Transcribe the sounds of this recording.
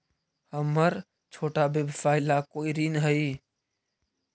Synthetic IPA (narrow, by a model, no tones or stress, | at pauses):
həməɾ | t͡ʃʰoːʈabeːbfaːɪlakoːiɾiːnɦəiː